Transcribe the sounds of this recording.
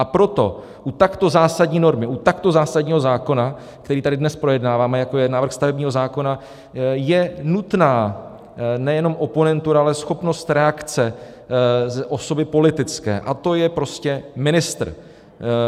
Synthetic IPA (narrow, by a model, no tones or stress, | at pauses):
ʔapɾo̞t̪o̞̰ | ʔut̪akt̪o̞zaːsadɲiːno̞ɾmɪʔut̪akt̪o̞zaːsaɟɲiːɦo̞zaːko̞na | k̚t̪ɛɾiːt̪adɪdnɛspɾo̞jɛdnaːvaːmɛjako̞jɛnaːvr̩xst̪avɛbɲiːɦo̞zaːko̞na | jɛnut̪naː | nɛjɛno̞mʔo̞po̞nɛnt̪uɾaalɛsxo̞pno̞st̪ɾɛakt͡sɛ | zʔo̞so̞bɪpo̞lɪt̪ɪt͡skɛ̰ːʔat̪o̞jɛpɾo̞scɛmɪnɪst̪r̩